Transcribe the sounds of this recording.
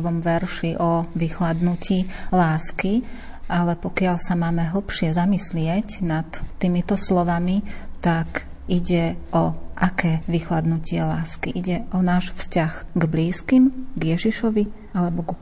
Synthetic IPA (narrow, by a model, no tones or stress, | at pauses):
ʋɔmʋɛɾʃiʔɔʋixlad̪nucilaːski | alɛpɔkɪaʎsamaːmɛɦl̩ˠpʃɪɛzamislɪɛcnat̪ːimit̪ɔslɔʋamit̪ak | iɟɛʔɔʔakɛːʋixlad̪nucɪɛlaːskiʔiɟɛʔɔnaːʃfscaɣɡbliːskimɡjɛʒiʃɔʋi | alɛbɔɡ